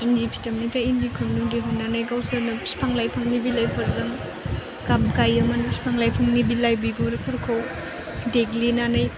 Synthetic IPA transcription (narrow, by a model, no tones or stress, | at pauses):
indipʰi̥tɐmnitaindikʰunːudeɦunːanajɡawsanɯspʰaŋlajpʰaŋnibilajpʰaɾzaŋ | ɡamkajɐmanspʰaŋlajpʰaŋnibilajbiɡuɾpʰɐɾkʰaw | deɡlinanaj